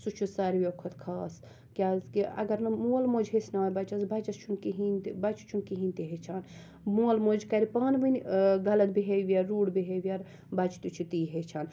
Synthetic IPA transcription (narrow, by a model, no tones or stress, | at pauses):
sut͡ʃʰusaɾʋʲokʰot̪kʰaːs | kʲaːkiɐ̰ɡɐɾnɐmulmoːd͡ʒɦesnaːjbɐt͡ʃɐsbɐt͡ʃɐst͡ʃʰunkiɦint̪bɐt͡ʃʰt͡ʃʰunkiɦinʲt̪iɦet͡ʃʰaːn | mulmoːd͡ʒkɐɾipaːnʋɨnʲɡɐlɐt̪̚biɦeʋiɐːuːɽbiɦeʋiɐɾ | bɐt͡ʃʰi̥t̪ut͡ʃʰit̪iːɦet͡ʃʰaːn